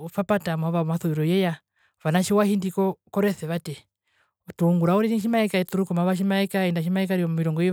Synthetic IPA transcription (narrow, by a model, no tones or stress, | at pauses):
fapatamaβamaθuiɾɔjɛja | βanaʃiwahindikɔkɔɾɛθɛβatɛ | tuŋɡuɾauɾiniʃ̬imaɛkait̪uɾukɔmaβaʃ̬imaɛkaindaʃ̬imaikaɾiɔmmiɾɔŋɡɔi